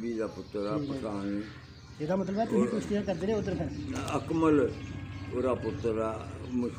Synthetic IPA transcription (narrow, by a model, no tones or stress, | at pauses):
biːd̪aːpʊt̪ɾapətaːni | eːd̪aːmət̪̬ləbɛt̪ʊɦĩːkʊt͡ʃt̪iəkəɾd̪eːɾeːʊt̪ːəɾkʰəɾəkməlː | ɾaːpʊt̪ːɾamɪ